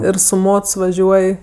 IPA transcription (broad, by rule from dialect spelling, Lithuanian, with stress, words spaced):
ˈɪr sʊ ˈmoːts ʋɐˈʒʲuɔj